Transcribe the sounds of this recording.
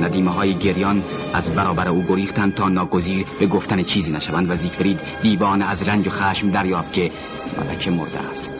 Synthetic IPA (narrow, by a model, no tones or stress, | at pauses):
næd̪iːmeɦɒːjeɟeɾjɒnæ̰zbæɾɒːbæɾeuːɡoɾiːxt̪ʰænd̪̚t̪ʰɒːnɒːɡoziːɾbe̞ɡoft̪ænet͡ʃʰiːziːnæʃævænd̪væziːkfeɾiːd̪ | d̪iːvɒːnæzɾænd͡ʒoxæːʃmd̪æɾjɒːft̪̚cʲʰe̞ | mæ̰læ̰kʰemo̰ɾd̪ḛæ̰st̪